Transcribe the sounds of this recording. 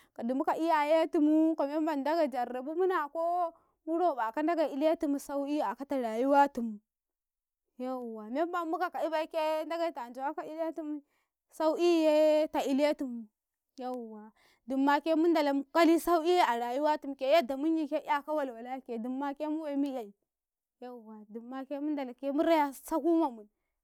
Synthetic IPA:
ka˨du˨mu˦ka˨ʔi˦ja˨je˦tu˨mu˦ka˨me˦m˦ba˨nda˦ɡa˨d͡ʒa˨ɾːa˨bu˦mu˦na˨ko˦ | mu˦ɾo˦˨ba˨ka˦n˦da˦ɡa˨i˨le˦tu˨mu˨sa˦u˦i˦a˨ka˦ta˨ɾa˨ju˦wa˦tu˨mu˨ | ja˦˨wa˨me˦m˦ba˨mmu˦ka˨ka˨i˦ba˦i˦ke˦nda˦ɡa˨i˦˨ta˨nd͡ʒu˨wa˦ka˨i˦le˦tu˦m˦ | sa˦u˦i˦je˦ta˨i˦le˦tu˨mu˨ | ja˦˨wa˨ | du˨mːa˦ke˦mu˦nda˨la˨m˦ka˦li˦sa˦u˦i˦ja˨ɾa˨ju˦wa˦tu˨m˨ke˨˦ja˦da˨mu˦ɲi˨ke˦a˦ka˦wa˨lwa˨la˦ke˨du˨mːa˦ke˦mu˦we˦mi˦ja˨i˨ | ja˦˨wa˨du˨mːa˦ke˦mu˦nda˨la˨ke˦mu˦ɾa˦ja˨sa˦ku˦ma˨mu˨

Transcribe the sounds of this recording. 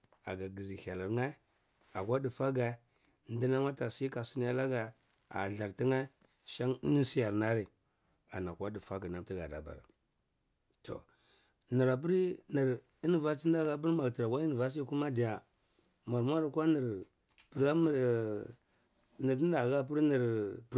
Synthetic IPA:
a̰˨ɡa˨ɡi˨zi˨ha˨la˨ɾŋa˦ | a˨kwa˦di˨fa˦ɡa˨ | n˦di˦na˦ma˦ta˨si˦ka˨si˦ni˦ja˦la˦ɡa˨ | a̰˨ɮa˨ɾti˦ŋa˦ | ʃa˦ŋi˦ni˦si˦ja˨ɾna˦ɾi˨ | a̰˨na˨kʷa˦di˨fa˦ɡa˨na˦mti˦ɡa̰˨da̰˨ba̰˨ɾa̰˨ | to̰˨ | ni˨ɾa˨p̬i˦ɾni˨ɾ | i˦ni˨va˦t͡ʃi˦n˦da˦ɣa˦p̬i˦ɾma˨ɡti˨ɾa˨kʷa˦i˦ni˨va˦s̬i˦ku˦ma˦di˨ja˨ | ma˨ɾmʷ˦a˦ɾa˨kʷa˦ni˨ɾ | pə˨ɾa˦˨ | ni˨ɾi˦a˨ɣa˦p̬i˦ɾni˨ɾ

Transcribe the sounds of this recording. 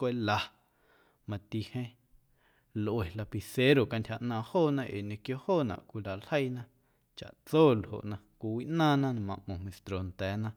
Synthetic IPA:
kʷe˦la˧ | mã˧t̪i˧hẽ˦ | lʔwe˨la˧pi˨se˦ɾo˨ka˧ntʲha˧ʔnãː˧hoː˦˨nã˦ʔḛː˨ɲẽ˧kjo˦hoː˦˨nã̰˨ʔkʷi˧la˨lhə˦jnã˦ | t͡ʃa̰˨ʔt͡soː˦˨lho̰˨ʔnã˧kʷi˧wi˦ʔnãː˦nã˦nã˨mã˧˨ʔmõ˨mẽ˨st̪ɾo˨nt̪ɛː˨˦nã˦

